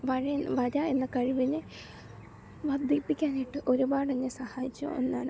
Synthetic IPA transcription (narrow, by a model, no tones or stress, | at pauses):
ʋɐɻɐnʋɐɾɐe̞nːɐkɐɻiʋinːɨ | ʋɐd̪ʱipːikʲːaːniʈːɨʔo̞ɾubaːɽenːesɐhaːjikʲːṵo̰nːa̰ːɳɨ